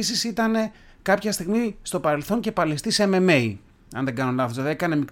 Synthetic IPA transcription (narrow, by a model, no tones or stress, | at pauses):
sisit̪ɐne̞ | kɐpçɐst̪iɣmist̪o̞pɐɾe̞lθo̞ɲce̞pɐlist̪iseme̞me̞i | ɐ̰nðe̞ɡɐnonlɐfozoðekɐne̞mik